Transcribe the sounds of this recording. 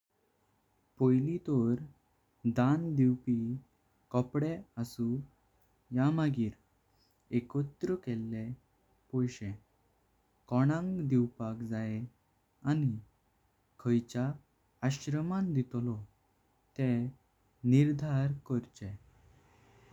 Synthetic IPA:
pojlit̪ɔɾ | d̪and̪iwpi | kɔpɽɛəsu | jamaɡiːɾ | ekɔt̪ɾəkɛlːe | pɔjɕɛ̃ | kɔɽ̃ãŋɡd̪iwpakd͡zae | ani | kʰəjt͡ɕaː | ɕɾəmãnd̪it̪lɔ | t̪ɛ | niɾd̪ʱaɾkɔɾt͡ɕɛ̃

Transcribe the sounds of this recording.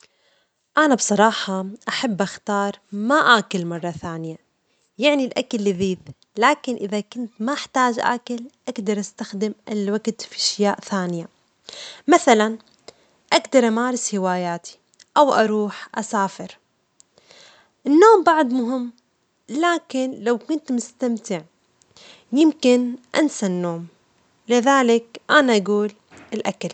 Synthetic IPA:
ʔanabsˤɑɾˤɑːħɑʔaħabːʔaxt̪ɑːɾˤmaʔaːkɪlmɑrˤːɑθaːnɪja | jaʕnilʔakalːiðiːd̪ | laːkɪnʔɪðakʊnt̪maʔɪħt̪aːd͡ʒʔa̰ːkɪlʔaɡd̪ɑɾˤʔast̪axd̪ɪmʔɪlwaɡt̪fiʔaʃjaːʔθaːnɪja | maθalan | ʔaɡd̪ɑɾˤʔamaːɾɪshɪwaːjaːt̪ʰi̥ | ʔawʔaɾuːħʔasaːfɪɾ | ʔɪnːoːmbaʕd̪mʊɦɪmː | laːkɪnlawkʊnt̪mʊst̪amt̪ɪʕ | jɪmkɪnʔa̰nsanːoːm | lɪðaːlɪkʔanaʔaɡuːl | ʔɪlʔakal

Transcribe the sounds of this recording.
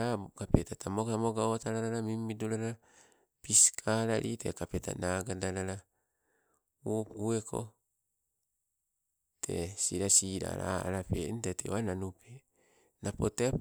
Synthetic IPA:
akapetatʰamotamoɡaotaɾaɾaɾamimːidoɾaɾa | piskʰaɾaɾʔḭte̞̰kapeta̰naɡadaɾaɾa | uuekʰo̞̰ | tʰe̞̰siɾasiɾa̰ɾa̰a̰ɾapeintatḛwananupe | napote

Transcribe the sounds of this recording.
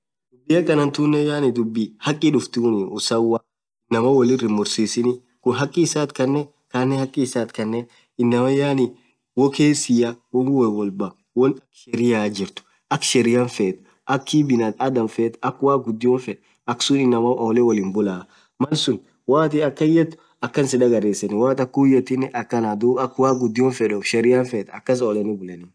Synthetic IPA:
d̪ʊbːɪjɐkɐnɐnt̪unːɛjaːnɪd̪ʊbːihɐkʼːɪᶑʊft̪uːnɪʊsɐwa | ɪnːɐmɐwɔlɪrɪmːʊɾsiːsɪnɪ | kʊnɦɐkʼːɪːsaːt̪kɐnːɛ | kanːɛhɐkʼːɪːsaːt̪kɐnːɛ | ɪnːɐmɐjaːnɪ | wɔkeːsɪjɐwɔwɛwɔlbɐ | wɔnɐkʃɛɾɪjaːd͡ʒɪɾt̪ʊ̥ | ʔɐkʃɛɾɪjanfeːt̪ | ʔɐkːibɪnɐt̪ad̪ɐmfeːt̪ɐkːwaːɡʊd̪ːɪjɔnfɛᶑ | ɐksʊnɪnːɐmɐʔɔːlɛwɔlɪnbʊlaː | mɐlsʊn | waːt̪ɪɐkːɐjɛt̪ː | ɐkːɐnsɪᶑɐɡɐɾeːsɐnɪwaːt̪ɐkːuːjɛt̪ɪnɛʔɐkːɐnaːd̪uɐkːwaːɡʊd̪ːɪjɔnfɛᶑɔʃɛɾɪjanfɛːt̪ɐkːɐs̬oːlɛnɪbʊlɛnɪ

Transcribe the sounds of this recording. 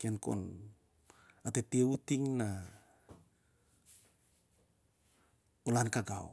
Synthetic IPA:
kenkoo̰n | atetieutiŋna | olankaɡa̰w

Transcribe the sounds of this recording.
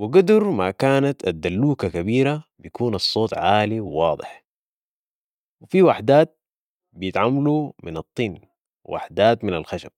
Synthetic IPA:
wɪɡad̪ʊɾmakaːnat̪ad̪ːalːuːkakabiːɾabijakuːnɑsˤːoːt̪ˤʕaːliwwɑːd̪ˤɪ̰ħ | wɪfiwaħd̪aːt̪̚ | bijɪt̪ʕamːalumɪnɑt̪ˤːiːn | wa̰ħd̪aːt̪mɪnalxaʃab̥̚

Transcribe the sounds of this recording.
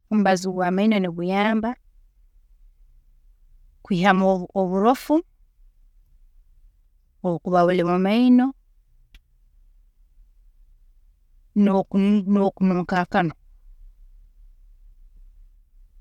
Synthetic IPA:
um̩baziwamaino̞niβujaːmba | kwiːhamooβuɾofu | okuβaβulimumaino̞ | nnokunuːŋkaːkano

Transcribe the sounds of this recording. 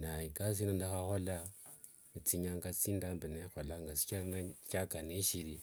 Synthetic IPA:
naikas̬inandaxaxola | t͡siɲaŋɡat͡sindambinexolaŋɡat͡si̥canacakaneʃiɾi

